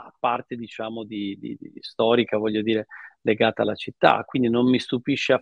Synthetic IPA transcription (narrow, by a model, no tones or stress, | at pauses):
apːart̪ed̪it͡ʃaːmod̪id̪ḭd̪ḭst̪ɔːɾikavɔʎːod̪iːɾeleɡaːt̪alːat͡ʃit̪ːa̰kːwind̪inommist̪upiʃːea